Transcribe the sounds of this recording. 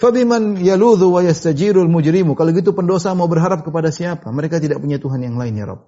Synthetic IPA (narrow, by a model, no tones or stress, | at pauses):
fabimanjaluðuwajast̪ad͡ʒiɾlmud͡ʒɾimukaloɡit̪̬upəndosamaubərɦaɾap̚kəpadasiapaməɾekat̪idaʔ̚puɲat̪uɦanjaŋlaɪnja̰ɾɔ̰p̚